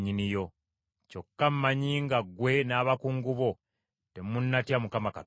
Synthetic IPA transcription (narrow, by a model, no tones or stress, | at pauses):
ɲinijo̞ | co̞kːam̩maɲiːŋɡaɡwe̞naːβakuŋɡuβo | temunːatjamukamaka̰